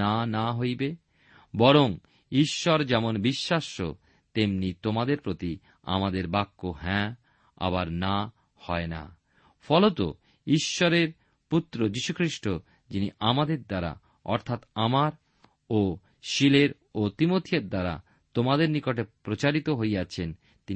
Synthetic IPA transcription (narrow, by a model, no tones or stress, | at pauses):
anaɦojbe | bɔɾoŋ | iʃːɔɾd͡ʑɛmonbiʃːaʃo̰ | t̪emnit̪omad̪eɾpɾot̪i | a̰mad̪eɾbakːoɦɛ̃ | a̰baɾna | hɔena̰ | fʰɔlot̪o̰ | iʃːɔɾeɾ | put̪ːɾod͡ʑiʃukʰɾiʃʈo | d͡ʑiniʔamad̪eɾd̪aɾa̰ | ɔ̰ɾt̪ʰat̪amaɾ | o | ʃileɾ | ot̪imot̪ʰieɾd̪aɾa̰ | t̪omad̪eɾnikoʈepɾot͡ɕaɾit̪oɦojat͡ɕʰen | t̪i